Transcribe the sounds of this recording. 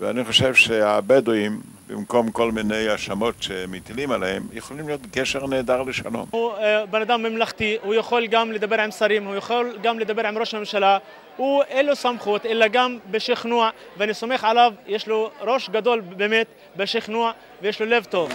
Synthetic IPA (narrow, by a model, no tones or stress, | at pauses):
vea̰niχoʃevʃeabed̪ujim | bḭmkomkolminejaʃamot̪ʃemit̪ilimalehemjeχolimlijot̪ɡeʃeʁneːd̪aʁleʃa̰lo̰mhubenad̪amːemlaxt̪ihujexolɡamled̪abːeɾʕamsaɾimhujexolɡamled̪abːeɾʕamɾoʃmemʃala | huʔelːosamχuːt̪ʔelːaɡambeʃixnuʕ | veanisamexʕalavjeʃloɾoʃɡad̪olbemet̪ | beʃixnuʕ | vejeʃlolevt̪ov